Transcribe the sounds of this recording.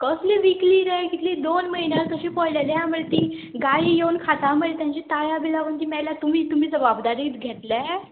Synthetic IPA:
kəsleʋikliːɾɛkit̪ʰlid̪onməɦinjalt̪əɕipɔɽlalejãməɭt̪iːɡaijewnkʰat̪aməet̪jãɲt͡ɕit̪ajabilaʋənt̪iːmɛlat̪um̤iːt̪um̤iːd͡zəbabd̪aɾiːt̪ɡʱeʈ̪lɛ

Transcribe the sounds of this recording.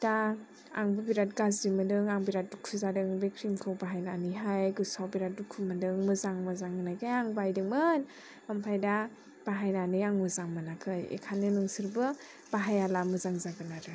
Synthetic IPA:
ta | a̰ŋbɯbiɾat̚ɡazdimɯdɯŋaŋbiɾat̚dukʰuzadɯŋbekʰɾimkʰɯwbaɦajnanɯɦajɡɯsawbiɾat̚dukʰumɯdɯŋmɯzaŋmɯzaŋɯnaɡajaŋbajdɯŋmɯn | ampʰajda | b̥aɦajnanɯjaŋmɯzaŋmanakʰɯjḛkʰanɯnɯŋsɯɾbɯ | b̥aɦajalamɯzaŋzaɡɯnaɾɯ

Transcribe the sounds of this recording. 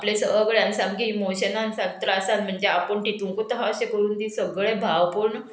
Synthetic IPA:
aplẽsəɡɭjansãmɡiːmoɕənãnsaɡt̪ɾəasalm̤əɳd͡zeapəɳʈit̪ũŋkot̪əɦaəɕekəɾuːnt̪ĩsəɡɭẽbʱaʋpəɽɳ

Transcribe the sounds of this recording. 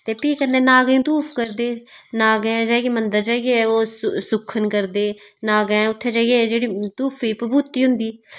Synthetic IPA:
t̪eːpiːkənd̪ẽːnaːɡ̃ːt̪uːpʰkəɾd̪eːnaːɡɛ̃d͡ʒaːɡeːmənd̪əɾd͡ʒaːɡeoːssʊkʰːənkəɾd̪eː | naːɡɛ̃ʊt̪ʰːeːd͡ʒaːɡeːd͡ʒeːɽiːt̪uːpʰiːpəbut̪ːiːɦʊ̃nd̪iː

